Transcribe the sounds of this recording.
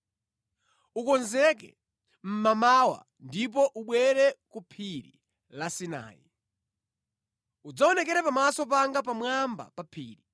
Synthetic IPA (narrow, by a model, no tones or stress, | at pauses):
ukɔnzɛk̬ɛ̰ | m̩mamawa̰ | ndip̬ɔʔuɓwɛɾɛkupʰiɾḭ | lasina̰ːjḭ | ud͡zaɔnɛkɛɾɛpamasɔp̬aŋɡapamwamba̰papʰḭːɾi